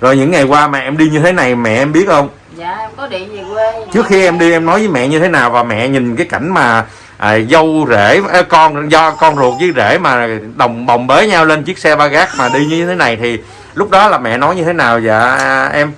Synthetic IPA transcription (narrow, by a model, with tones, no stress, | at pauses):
zo˨˩jɲɨ̰˧˥ŋːa˨˩jkwaː˧maː˨˩ʔɛ˧mɗi˧ɲɨ˧t̪ʰe˨˦na˨˩jmɛ̰˧˨ʔɛ˧mɓi˦˥ət̚hə˧wŋ͡m | t͡ɕɨ˦˥əkxi˧ʔɛ˧mɗi˧ʔɛ˧mnɔ˨˦jvəː˨˦jmɛ̰˧˨ɲɨ˧t̪ʰe˨˦naː˨˩wvaː˨˩mɛ̰˧˨ɲï˨˩ŋ̟kaː˨˦jka˧˩jŋ̟maː˨˩ | ʔzə˧wze˧˩ə˨˦kɔ˧nzɔ˧kɔ˧nzu˨˩ət̚zə˨˦zḛ˧˩maː˨˩ɗə˨˩wŋ͡mɓə˨˩wŋ͡mɓe˨˦ɲaː˧wle˧nt͡ɕɨ˦˥ək̚sɛ˧ɓaː˧ɣaː˦˥k̚maː˨˩ɗi˧ɲɨ˧t̪ʰe˨˦na˨˩jt̪ʰi˨˩ | lʊ˦˥k͡p̚ɗɔ˨˦laː˨˩mɛ̰˧˨nɔ˨˦jɲɨ˧t̪ʰe˨˦naː˨˩wzaː˨˩ʔɛ˧m